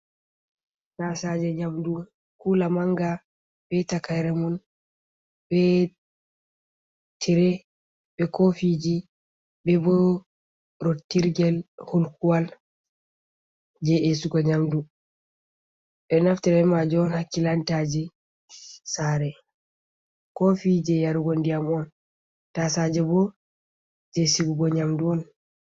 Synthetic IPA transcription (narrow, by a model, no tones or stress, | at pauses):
sasad͡ʒɛɲamdu | kulamaŋɡa | bɛtakajɾɛmɔn | bɛ | tʰiɾɛ | bɛkofid͡ʒi | bɛbɔ | ɾotːiɾɡɛlhulkuwal | d͡ʒɛesuɡɔɲamdu | ɓɛnaftiɾɛmad͡ʒɔnhakːilantad͡ʒɛ | saɾɛ | kɔfid͡ʒɛjaɾuɡondijamɔn | tasad͡ʒɛbɔ | d͡ʒɛsiɡuɡɔɲamduɔn